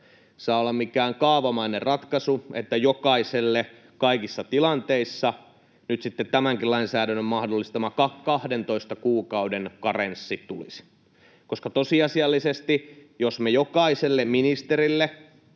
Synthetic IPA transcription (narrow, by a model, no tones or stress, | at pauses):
sɑːolːɑmmikæːŋkɑːʋɑmɑinerrɑt̪kɑsuet̪ːæjokɑiselːe | kɑikisːɑt̪ilɑnt̪eisːɑ | nyt̪sit̪ːet̪t̪æmæŋkillɑinsæːdænːømmɑhdolːist̪ɑmɑkɑkkɑhdent̪oist̪ɑkuːkɑudenkɑrensːit̪ulḭs | koskɑt̪osiɑsiɑlːisest̪ijosmejokɑiselːemminist̪erilːe